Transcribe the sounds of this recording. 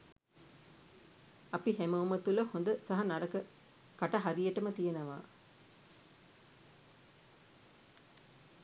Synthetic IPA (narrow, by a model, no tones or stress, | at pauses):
ɐpihemɐumɐt̪ulɐhond̪ɐsɐɦɐnɐɾɐkɐ | kɐʈɐɦɐɾijɐʈːɐmɐt̪ijɐnɐʋã̰ː